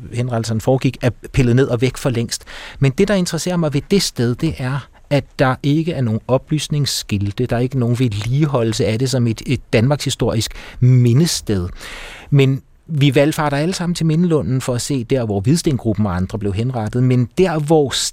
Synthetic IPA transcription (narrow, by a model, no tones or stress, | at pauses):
henʁɑ̈dl̩sɐn̩fɒːɡ̥iɡ̥æɐpʰelð̞̩ˠne̝ð̞̰ˠɒ̽ʋeɡ̥fɒ̽leŋ̰sd̥mend̥e̝d̥ɑ̈e̝nd̥ʁɐse̝̰ːɐmɑ̈ɪʋe̝d̥e̝sd̥eð̞ˠd̥e̝ʔæɐ | æd̥ɑ̈ʔe̝ɡ̥əʔæɐno̝ːn̩ɒ̽b̥ly̰ːsne̝ŋsɡ̥ild̥əd̥ɑ̈ɐe̝ɡ̥əno̝ːn̩ʋe̝liːɦɒ̽l̰l̩s̬əæɾ̥e̝s̬ɒ̽me̝d̥d̥ːænmɑ̈ːɡ̥shisd̥o̝ɐ̰isɡ̥me̝nəsd̥eð̞ˠmen | ʋiʋæl̰fɑ̰̈ɾ̥ɑæləsɑ̈m̰n̩t͡sʰe̝me̝nəlɔ̽n̰n̩fɒ̽æse̝̰ːd̥æɐʋɒʋið̞ˠsd̥enɡ̥ʁub̥n̩ɒ̽ɑ̈nd̥ʁɐble̝ʊɦenʁɑ̈d̥ð̩ˠmend̥æɐ̰ʋɒ